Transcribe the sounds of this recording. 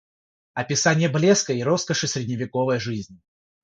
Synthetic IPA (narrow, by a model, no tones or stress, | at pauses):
ɐpʲɪsanʲɪjəblʲeskəiɾo̞skəʂɨsʲɾʲɪdʲnʲɪvʲɪkovəjʐɨzʲnʲ